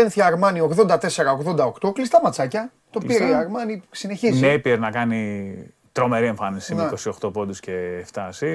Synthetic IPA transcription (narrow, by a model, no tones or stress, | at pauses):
enθiɐɾmɐnio̞ɣðo̞nd̪ɐt̪e̞se̞ɾɐoɣðo̞nd̪ɐo̞kt̪o̞klist̪ɐmɐt͡sɐcɐ | t̪o̞piɾɐɾmɐnisine̞çiznepieɾnɐkɐni | t̪ɾo̞me̞ɾie̞ɱfɐnisimnekosio̞xt̪o̞po̞d̪usce̞ft̪ɐsi